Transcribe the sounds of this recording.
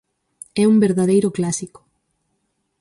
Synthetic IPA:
ɛumbeɾðaðejɾʊklasikʊ̥

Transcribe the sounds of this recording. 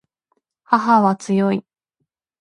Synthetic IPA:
haɦaβat͡sɨjoi

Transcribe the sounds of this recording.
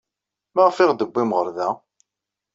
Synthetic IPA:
mæʁfɪʁd̪əbːimʁəɾðæ

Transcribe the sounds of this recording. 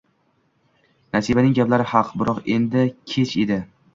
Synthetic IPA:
nasibanɪŋɡʲaplaɾɪhɑqbɪɾɒqe̞nd̪ɪkʲʰe̞t͡ʃed̪ɪ

